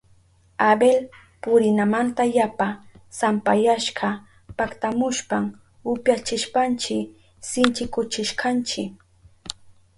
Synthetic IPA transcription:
abel | pʊɾɪnamant̪ajapasampajaʃɢɑ | pakt̪amʊʃpam | ʊpjat͡ʃɪʃpant͡ʃɪ | sɪnt͡ʃɪkʊt͡ʃɪʃkɑnt͡ʃɪk

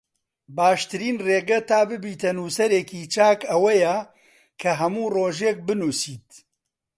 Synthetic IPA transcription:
baːʃt̪ɨɾiːnreːɡɐt̪aːbɨbiːt̪ɐnuːsɐɾeːkiːt͡ʃaːkɐwɐjɛ | kʰɐɦɐmuːroːʒeːk̚bɨnuːsiːt̪

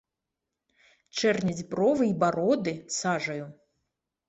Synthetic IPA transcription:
t͡ʂɛrnʲɐd͡zʲprɔvɨibaɾod̪ɨsaʐɐju

